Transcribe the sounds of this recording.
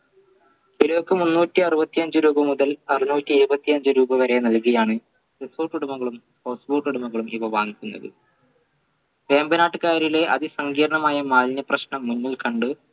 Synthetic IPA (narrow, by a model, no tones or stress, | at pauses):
iloːkːɨmunːuːtːiɐrɨbɐt̪ːiɐɲd͡ʑɨɾuːbɐmuðɐlɐrinuːtːiːɾubɐt̪ːiɐɲd͡ʑɨɾuːbɐʋɐɾe̞nɐlkɐjaːɳɨ | resoːʈːuɽumɐɣɐɭum | poːsboːʈuɽumɐɣɐɭumiʋɐʋaːŋikʲːunːɐ̰ðɨ̰ | ʋe̞ːmbɐnaːʈːɨkaːɾile̞ʔɐ̰ðisɐŋɡiːɾɐɳɐmaːjɐmaːlnɐprɐɕɳɐmːunːilkɐɳɖɨ